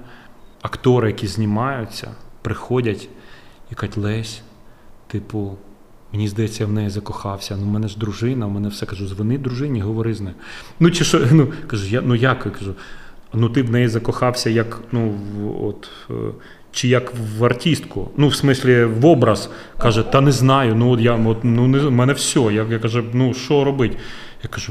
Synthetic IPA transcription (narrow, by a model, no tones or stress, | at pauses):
ɐkt̪ɔɾɪjɐkʲizʲnʲimɑjʊt͡sʲːɐ̰pɾɪxɔdʲɐtʲjɐkatʲlˠɛsʲ | t̪ɪpʊ | menʲizd̪ɐjɛt͡sʲːɐjawnɛjizɐkɔxɑwsʲɐnumɛnɛʒd̪ɾʊʒɪnɐmɛnɛwsɛkɐʒuzʋɪnɪd̪ɾʊʒɪnʲiɦɔʋɔɾɪznɛjnut͡ʃɪʃɔnukɐʒʊjanujakkɐʒunut̪ɪwnɛjizɐkɔxɑwsʲɐjɐknuɔ̰t̪ | t͡ʃɪjɐkʋɐrtʲist̪kʊnuwsmɪsʲlʲiʋɔbɾɐz̥ | kɑʒɛt̪ɑnɛznɑjʊnuɔt̪jaɔt̪nunɛmɛnɛwsʲɔjajakɐʒɛnuʃɔɾɔbɪtʲ | jakɐʒu